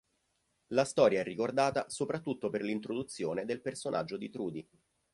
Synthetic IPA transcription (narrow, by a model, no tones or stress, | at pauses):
last̪ɔːɾjaɛrːikord̪aːt̪asopɾat̪ːut̪ːoperlint̪ɾod̪ut̪sːjoːned̪elpersonʔa̰d͡ʒːod̪it̪ɾuːd̪i